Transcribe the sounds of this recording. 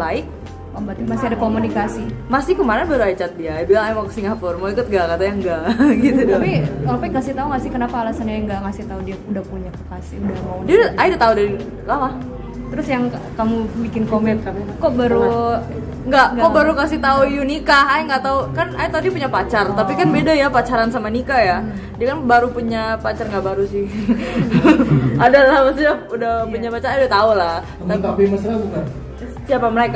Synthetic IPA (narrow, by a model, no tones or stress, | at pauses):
baɪk̚ | kambat̪masɪadakomunikasimasɪhkəmaɾanbaɾuat͡ʃat̪̚diajbilaŋajmakḁsiŋafɔrmaikʊt̪̚ŋɡakat̪ajaŋɡaʔɡit̪udpisapajŋasɪht̪auŋasɪhkənapaːlasanɲaŋɡaŋasɪht̪audiaudahpuɲakasḭudahmaudidaʔajdat̪audaɾi | kamah | t̪əɾʊsjaŋkamubikɪnkomɛnkɔʔbaɾu | ŋɡaʔkɔʔbaɾukasit̪aujunikahaiŋɡaʔt̪aukanait̪audiapuɲapat͡ʃart̪apikanbedajapat͡ʃaɾansamanikaja | diakanbaɾupuɲapat͡ʃarŋɡaʔbaɾusɪh | adalahmast̪uɲaudahpuɲapat͡ʃaɾajdat̪aulah̪ | aapiməsɾabukan | siapaməlaik